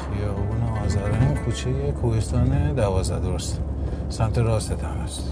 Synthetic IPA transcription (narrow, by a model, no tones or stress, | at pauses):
xijɔbunɔːzaɾenkʰut͡ʃʰejekʰuhest̪ɒːned̪ævɒːzd̪æ̰d̪oɾost̪ | sæmt̪ʰeɾɒːst̪et̪ʰæmæst̪